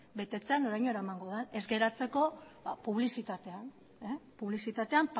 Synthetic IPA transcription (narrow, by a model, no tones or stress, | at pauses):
be̞t̪e̞t͡se̞ano̞ɾajɲo̞eɾaemaŋɡo̞ðene̞zɡe̞ɾat͡se̞ko̞apuβ̞lisit̪at̪e̞an | epuβlisit̪at̪e̞amp